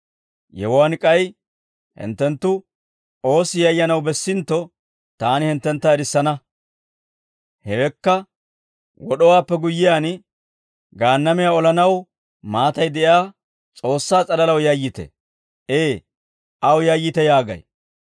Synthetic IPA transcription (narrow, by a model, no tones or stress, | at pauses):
jɛ̰wwankʼɐj | hɪ̰nt̪ːɛnt̪ːʊ | o̞ːsɪjɐjːɐnɐwbɛsːɪnt̪ːɔ | t̪aːnɪhɪnt̪ːɛnt̪ːɐɛɾɪsːɐnɐ | hɛɛkːɐ | wɔɗɔwaːpːɛɡʊjːɪjaːn | ɡaːnːɐmɪjaːɔlɐnɐw | maːt̪ɐjd̪ɛʔjaː | t͡sʼo̞ːsːaːt͡sʼɐlɐlɐwjɐjːɪt̪ɛ̰ | ʔeː | ʔɐwjɐjːɪt̪ɛjaːɡɐ̰j